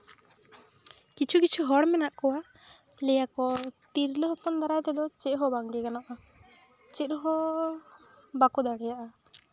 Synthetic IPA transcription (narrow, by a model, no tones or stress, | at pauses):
kit͡ʃʰukit͡ʃʰuɦɔɽmɛnaʔkɔwa | lɛjakɔt̪iɾləɦɔpɔnd̪aɾajt̪ɛd̪ɔt͡ʃɛʔ̚ɦɔbaŋɡɛkanaʔa | t͡ʃɛʔ̪ɦɔ | bakɔd̪aɽɛjaʔa